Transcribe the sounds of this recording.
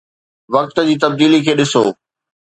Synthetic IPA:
ʋɐk̚t̪d͡ʑiːt̪ɐb̚d̪iːlikʰeːɗɪsoː

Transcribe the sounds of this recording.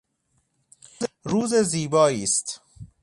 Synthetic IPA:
ɾuːzeziːbɒːiːst̪

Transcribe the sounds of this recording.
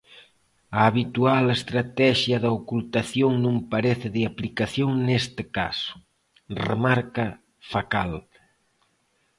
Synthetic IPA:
ɐːβit̪ualest̪ɾat̪ɛʃjɐðɐokult̪aθjoŋnũŋpaɾeθɪðeaplikaθjoŋnest̪ɪka̰sʊ̥ | rḛmaɾkɐ | fakal

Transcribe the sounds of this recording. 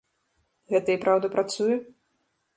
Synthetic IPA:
ɣɛt̪ɐipɾʔawd̪ɐpɾat̪sujɛ

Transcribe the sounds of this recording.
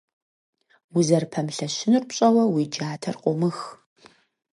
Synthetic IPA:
wʊzɐrpʰɐmɬɐɕɪnɨrpɕʼɐwɐwid͡ʒaːtʰɐrqʷʼʊmɨx

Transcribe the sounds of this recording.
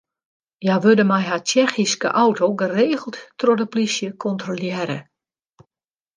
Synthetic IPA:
jaʋødəmɛjɦat͡ʃɛxiskə̰ʔawtʰoɡəreːɣəlˠtːrodəplisjəkʰɔntroljɪːɾə̰

